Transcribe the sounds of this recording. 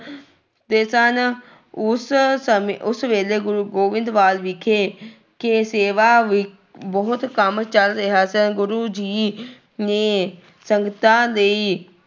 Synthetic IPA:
t̪eːsən | ʊssəmʊsʋeːleːɡʊɾuːɡoːʋɪ̃nd̪ʋaːlʋɪkʰːeː | keseːʋaːʋɪ | bəɦʊt̪kəmt͡ʃəlt̪eɦaːsənɡʊɾuːd͡ʒiː | nẽː | səŋɡt̪ãːləiː

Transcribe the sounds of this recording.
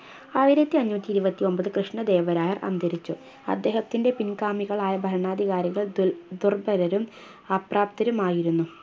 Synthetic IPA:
aːjiɾɐt̪ːiɐɲːuːt̪ːiɾubɐt̪ːio̞mbɐðɨkrɨʂɳɐd̪e̞ːʋɐɾaːjɐrʔɐ̰nd̪ʱɐɾit͡ɕːu | ɐ̰d̪ːe̞ːhɐt̪ːinde̞pinkaːmiɣɐɭaːjɐbʱɐɾɐɳaːd̪ʱiɣaːɾiɣɐɭd̪urbɐɾɐɾum | ɐpraːp̚t̪ɐɾumaːjiɾunːu

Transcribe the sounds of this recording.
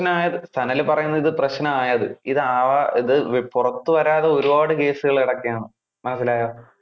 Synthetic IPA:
nɐmaːjɐðɨst̪ʰɐnɐlpːɐrɐjunːɐðiðɨprɐɕnɐmaːjɐðɨ̰iðɨaːʋɐiðɨpurɐt̪ːuʋɐɾaːðeo̞ɾubaːɽɨke̞ːsuɣɐɭiɽɐkːijaːnɨ | mɐnɐs̬ːilaːjoː

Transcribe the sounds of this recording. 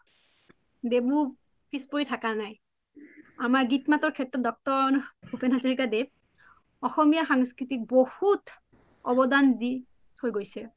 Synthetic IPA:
debu | pispoɹitʰakanaj | amaɹɡitmatɔɹkʰɛtːɹɔt̚dɔk̚tɔɹnbʱupenazoɹikadeb̚ | ɔxɔmijaxaŋskɹitik̚bohut | ɔbɔdandi | tʰojɡojsɛ

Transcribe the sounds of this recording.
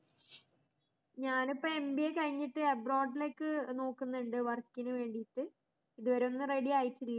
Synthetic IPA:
ɲaːnipːɐe̞mbiekɐɻiɲːiʈːɨɐbro̞ːɖile̞ːkːɨno̞ːkːunːɐɳɖɨʋɐrkːinɨʋe̞ːɳɖiʈːɨ | iðuʋɐɾonːɨreɽijaːjitːilːɐ

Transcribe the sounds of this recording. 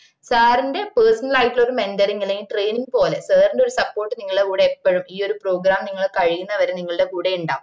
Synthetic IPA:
saːɾinde̞peːrsɐnɐlaːjiʈːilo̞ɾumendɐɾiŋːilejiʈre̞ːniŋɡpo̞ːle̞sɐːrnɖo̞ɾusɐpːo̞ːrʈːɨniŋːɐɭɨɽekuːɽeepːɐɻumiːo̞ɾupro̞ːɡɾaːmniŋːɐɭkɐɻijunːɐʋɐɾeniŋːɐɭɽe̞kuːɽeuɳɖaː

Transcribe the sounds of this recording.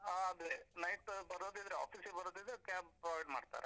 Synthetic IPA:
aɐd̪enɐjʈbɐɾoːd̪id̪ɾea̰ːpʰiːsbɐɾod̪id̪ɾekaːbpɾoːʋɐjɖmaːɖt̪a̰ːɾe

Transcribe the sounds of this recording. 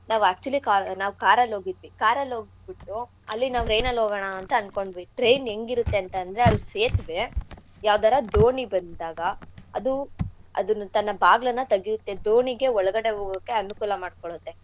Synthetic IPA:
naːʋuæːk̚t͡ʃuɐlikanaːʋukaːɾɐloːɡid̪ʋikaːɾɐlo̞ːɡid̪biʈːu | ɐlːinaːʋuɾejnɐlɦoːɡɐɳaːnt̪ɐːnko̞ɳɖbeʈɾejne̞ŋɡiɾut̪ːe̞ɐnt̪ɐnd̪ɾe̞ɐd̪useːt̪ʋe̞ | jaːʋd̪aːɾɐd̪oːɳibɐnd̪aːɡɐɐd̪uɐ̰d̪unːut̪ɐnːɐbaːɡlɐnːɐt̪ɐɡijut̪ːe̞d̪oːɳiɡe̞ɔɭɐɡɐɽe̞ɦoːɡɐkːe̞ɐnukuːlɐmaːɖ̚koɭut̪ːe

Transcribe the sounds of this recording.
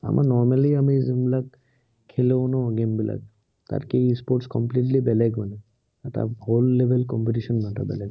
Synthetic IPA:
a̰mʔa̰nɔɹmaliamizimbilak | kʰːeleʊnɔɔɡembila̰k̚ | ta̰tkeispoʈskɔmpliʈ̬libɛlɛɡmanɛ | ɛta̰holːebʱelkɔmpitisɔnmata̰bɛ̰lɛɡ

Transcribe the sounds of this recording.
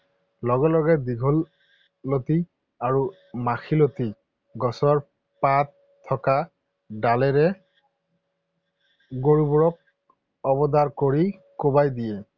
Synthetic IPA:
lɔɡɔlɔɡɛdiɡʱɔlː | oti | aɹu | maxʰiloti | ɡɔsɔɹ | pat | tʰːɔka | dalɛɹɛ | ɡoɹubɔɹɔk̚ | ɔbɔdaɹkoɹikobajdijɛ

